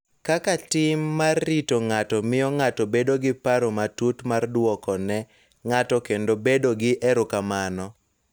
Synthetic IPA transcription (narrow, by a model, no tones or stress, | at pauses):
kakatɪmːarːitoŋatɔmɪjɔŋatɔbedoɡɪpaɾomatutmardwɔkɔnɛ | ŋatɔkendobedoɡɪʔɛɾʊkamanɔ